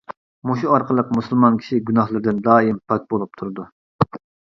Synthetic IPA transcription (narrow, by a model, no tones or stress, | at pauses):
moʃuɑɾqəlˠəqmusɨlˠmɑnkʲʰi̥ʃiɡʲynɑhlˠɨɾd̪ɪnd̪ɑːimpʰɑk̚ʲbolˠup̚t̪ʰuɾɨd̪u